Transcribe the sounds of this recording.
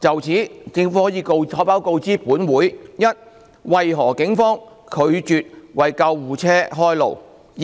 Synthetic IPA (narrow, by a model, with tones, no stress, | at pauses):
t͡sɐ˨wt͡sʰiː˨˥t͡sɪ˧ŋfhɔː˨˥jiː˨˧ko˧wɔː˨˥paː˨˥wko˧wt͡siː˥puː˨˥nwuː˨˥jjɐ˥t̚ | wɐ˨jɦɔː˨˩kɪ˨˥ŋfɔː˥ŋ | kʰɵ˨˧ɥt͡ʃyː˨t̚wɐ˨jkɐ˧wːuː˨t͡sʰɛː˥ɦɔː˥jlo̰˨˩w